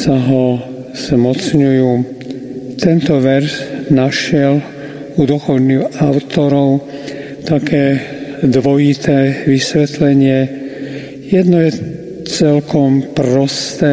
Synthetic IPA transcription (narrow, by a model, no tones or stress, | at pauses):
saɦɔ | z̥mɔt͡sɲujuː | t̪ɛnt̪ɔʋɛɾznaʃɪɛl | ud̪ɔxɔlnixaʊt̪ɔɾɔʊ | t̪akʰɛːd̪ʋɔjit̪ɛːʋisʋɛt̪lɛɲɪɛ | jɛd̪nɔjɛ | t͡sɛlkɔmpɾɔst̪ɛː